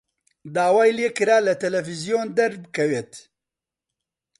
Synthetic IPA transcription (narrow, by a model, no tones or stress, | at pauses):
d̪aːwaːjleːkɨɾaːlɐt̪ɛlɛfizijoːnd̪ɐɾbɨkʰɛweːt̪